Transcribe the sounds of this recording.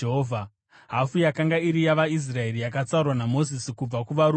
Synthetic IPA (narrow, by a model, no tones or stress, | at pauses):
ɦovʱa | ɦafujakaŋɡaiɾijaʋais̬rae̞rijakat͡saurwanamo̞zisikub͡vakuʋaɾu